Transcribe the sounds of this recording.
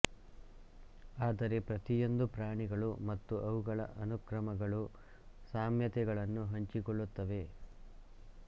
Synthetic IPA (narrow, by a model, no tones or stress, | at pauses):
aːd̪ɐɾe̞pɾɐt̪ijo̞nd̪upɾaːɳiɡɐɭumɐt̪ːuʔɐwuɡɐɭɐ̰ʔɐnukɾɐmɐɡɐɭu | saːmjɐt̪ɛɡɐɭɐnːuɦɐɲt͡ʃikɔɭːut̪ːɐʋe̞